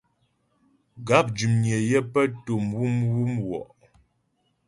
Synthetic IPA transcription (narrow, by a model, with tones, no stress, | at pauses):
ɡa˨˦p̚d͡ʒu˨mɲɛ˨jɛ˦pə˦to˨mwu˦mwu˦mwɔ̰˨ʔ